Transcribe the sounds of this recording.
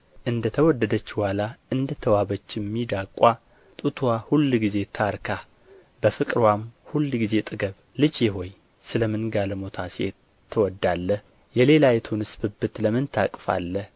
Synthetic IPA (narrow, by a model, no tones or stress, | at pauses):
ʔɨnd̪ət̪ʰəwɔd̪ːəd̪ət͡ʃːhʷalaʔɨnd̪ət̪ʰːəwaβət͡ʃːɪmːid̪akʼwa | t̪ʼut̪ʰahulːɡize̞t̪ʰaɾkʰa | b̥əfɨkʼɾwamhulːɡize̞t̪ʼɨɡəβ | lɨd͡ʒjɛɦo̞j | sɨləmɨnɡaləmo̞t̪ʰasḛ | t̪ʰːəwɔd̪ːalːəh | jɛle̞lajɛt̪ʰunɨsbɨbɨt̪ləmɨnt̪ʰakʼfa̰lːəh